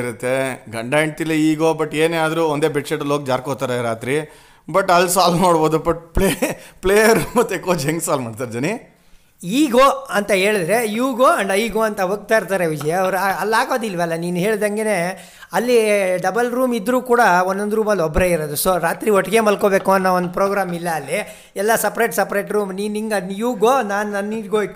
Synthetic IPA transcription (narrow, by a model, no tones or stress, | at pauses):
ɾɐt̪ːe̞ɡɐɳɖajeɳʈilːɐiːɡoːbɐʈːeːneaːd̪ɐɾuɔnd̪e̞ːbeʈʂeʈɐloːk̚d͡ʒaːɾkot̪aːɾeɾaːt̪ɾi | bɐʈːɐlːsaːlnoːɽboːd̪ubɐʈpɭepɭeːjɐɾumɐt̪ːekoːd͡ʒeŋɡsaːlmaːɖt̪aːɾd͡ʒɐni | iːɡoːɐnt̪ɐɦe̞ːɭid̪ɾe̞juːɡoːɐɳɖɐiːɡoːɐnt̪ɐɦoːɡ̚t̪aːiɾt̪aːɾeʋid͡ʒɐjaːʋɐɾuaɐlːaːɡo̞ːd̪ilːʋɐlːɐniːnuɦe̞ːɭd̪ɐŋɡene̞ | ɐlːiɖɐbɐlɾuːmid̪ːɾuːkuːɽɐonːond̪ɾuːmɐlːɔbɾeːiɾod̪usoɾaːt̪ɾiɔʈːɐɡe̞ːmɐlkoːbe̞ːkuɐnːɐond̪upɾoːɡɾaːmilːɐːlːi | ɛlːɐsɐpɾejʈsɐpɾeːʈɾuːmniːniŋɡɐjuːɡoːnaːnnɐnːiːɾɡoː